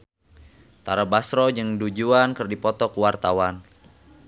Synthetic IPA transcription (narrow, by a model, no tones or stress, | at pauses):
t̪aɾabasɾɔd͡ʒɨŋdud͡ʒuankɨrdipɔt̪ɔkuwart̪awan